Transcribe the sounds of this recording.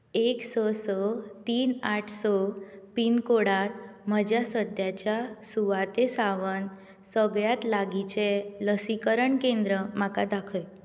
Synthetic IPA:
eksɔsɔt̪iːnaʈʰsɔpinkoɽat̪məd͡ʑasəd̪ʱjat͡ɕjasuʋat̪esaʋən | səɡɭjat̪laɡit͡ɕeləsikəɾəɳkend̪ɾəm̤akad̪akʰə

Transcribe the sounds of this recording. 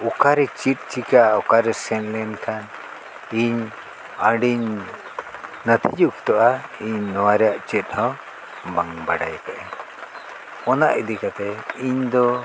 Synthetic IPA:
ukaɾɛt͡ʃit̪̚t͡ʃikaukaɾɛsɛnlɛnkʰan | iɲ | əɖiɲ | nət̪ʰid͡ʒukt̪ɔʔaiɲnɔwaɾɛjaʔt͡ʃɛt̪̚ˀhɔ̃w | baŋbaɖa̰jt̪ɛʔɛ | ɔnaʔid̪ikat̪ɛiɲd̪ɔ

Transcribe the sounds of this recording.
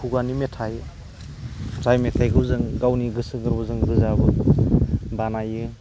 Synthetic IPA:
kʰuɡanimetʰaj | zajmetʰajɡɯwzɯŋɡawniɡɯsɯɡɯɾbɔzɯŋɡɯzabɯ | banajɯ

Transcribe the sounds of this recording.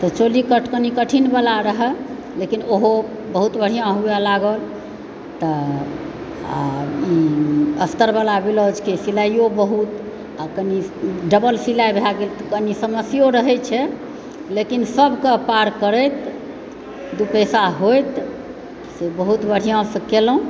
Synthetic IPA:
t̪ɔt͡ʃolikəʈʰkənikəʈʰinbalaɾəɦə | lekinoɦo | bəɦut̪bəɽ̤ijãɦuelaɡəl | t̪ə | a̰iəst̪əɾbəlabilod͡ʒkesilaijobəɦut̪ | akəniɖəbəlsilajbʱelaɡelt̪əkənisəməsjoɾəɦɛt͡ʃʰɛ | lekinsəbʱkəpaɾkəɾət̪ | d̪upɛsaɦojt̪ | sebəɦut̪bəɽ̤ijãsə̃kelũ

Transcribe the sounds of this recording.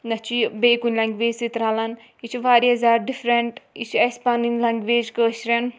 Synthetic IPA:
nɐt͡ʃʰibeːkunʲlɐŋɡʋeːd͡ʒʲsit̪ɾaːlɐn | it͡ʃʰuʋaːɾiɐzaːɾɖifɾeɳʈit͡ʃʰiɐspaːninlɐŋɡʋeːd͡ʒkəːʃɾɐn

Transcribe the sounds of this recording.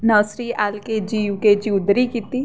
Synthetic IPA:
nəːsɾiaːlked͡ʒiːʋked͡ʒiʊd̪ɾikiːt̪i

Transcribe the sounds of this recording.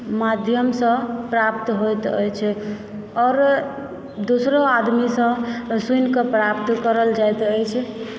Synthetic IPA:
mad̪ʱjəmsə̃pɾapt̪ɦojt̪ə̰jt͡ʃʰɛ | ɔːɾ | d̪osɾoad̪misə̃sujnkepɾapt̪kəɾəld͡ʒajt̪əjt͡ʃʰɛ

